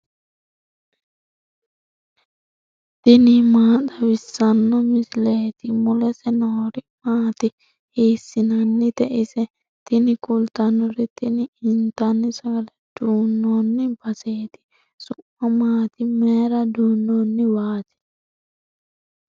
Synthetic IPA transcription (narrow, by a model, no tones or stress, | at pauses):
t̪ɪnimaːt̪ɐwɪsːɐnːɔmɪsleːt̪ɪmʊlɛsɛnoːɾɪmaːt̪ɪ | heːsːɪnɐnːɪt̪ɛʔɪsɛ | t̪ɪnɪkʊlt̪ɐnɔɾit̪ɪnɪɪnt̪ɐnːɪsɐɡɐlɛd̪̥uːnːonːɪbɐseːt̪ɪ̥ | sʊmːɐmaːt̪ɪmeːɾɐd̪uːnːoːnːɪwaːt̪ɛ̥